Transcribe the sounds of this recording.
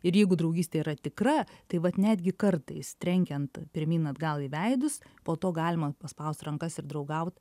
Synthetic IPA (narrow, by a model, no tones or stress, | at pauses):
ɪɾjɛɪɡʊd̪ɾɐʊɡʲiːsʲt̪ʲeːiːɾɐt̪ʲɪkrɐt̪ɐɪʋɐt̪nʲæd̪ʲɡʲɪkɐrt̪ɐɪst̪ʲɾʲɛŋʲkʲɛnt̪pʲɪɾʲmʲiːnɐd̪ɡɐlˠiʋʲɛɪd̪ʊspoːt̪oːɡɑːlʲɪmɐpɐspɐʊsʲt̪rɐŋkɐsɪɾd̪ɾɐʊɡɐʊt̪